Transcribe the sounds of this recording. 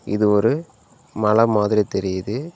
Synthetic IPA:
ɪ̰ðɯɔɾɯ | mɐlɐmaːðɪɾit̪ɛɾɪjɐðɯ

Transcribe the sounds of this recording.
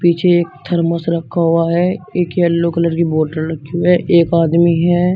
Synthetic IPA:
piːt͡ʃʰeeːk̚t̪ʰəɾməsɾəkʰːaɦʊaɦɛːeːkeəlːokələɾkiboːʈəɾɾəkʰːiuɦɛʔeːkaːd̪miɦɛː

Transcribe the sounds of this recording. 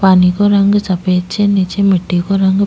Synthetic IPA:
panikoɾɐŋɡut͡ʃɐpet͡ʃːenit͡ʃemiʈːikoɾɐŋɡu

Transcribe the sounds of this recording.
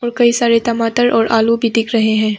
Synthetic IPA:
ɔːɾkɐisaːɾet̪ɐmaːt̪əɾʔɔːɾʔaːlubʱid̪ɪkʰɾɐɦeɦɛ̃ː

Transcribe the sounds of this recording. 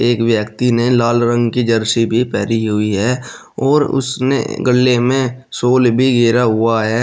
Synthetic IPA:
eːkʋjəkt̪inelaːlɾə̃ŋɡkid͡ʒəɾʃibʱipɛːɾiɦʊiɦɛː | ɔːɾʊ̰snḛɡəlːemẽsoːlbʱiɡeːɾaɦʊaɦɛ

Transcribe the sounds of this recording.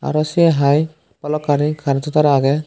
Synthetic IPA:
a̰ɾasiɛɦaj | palɔkːaɾikʰaɾatɔt̪aɾaaɡɛ

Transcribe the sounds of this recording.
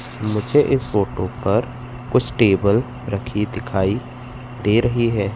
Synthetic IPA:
mʊd͡ʒʱeʔɪsfoːʈõpɐɾ | kʊt͡ʃʰʈeːbəl | ɾɐkʰid̪ɪkʰaːi | d̪eːɾɐɦiɦɛː

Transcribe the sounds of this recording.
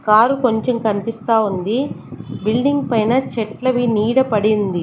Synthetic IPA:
kaːɾuko̞ɲt͡ʃemkɐnipist̪aːund̪ibilɖiŋɡ̚pɐjnɐt͡ʃɛʈlɐʋiniːɽɐpɐɽind̪i

